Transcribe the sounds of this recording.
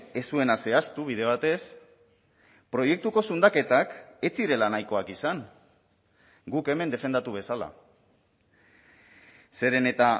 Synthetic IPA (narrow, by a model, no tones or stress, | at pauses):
e̞sue̞nase̞ast̪uβ̞ið̞e̞β̞at̪e̞s | pɾo̞je̞k̚t̪uko̞sund̪ake̞t̪ake̞t͡siɾe̞lanajko̞akisaŋ | ɡuke̞me̞nd̪e̞fe̞nd̪at̪uβ̞e̞sala̰ | se̞ɾe̞ne̞t̪a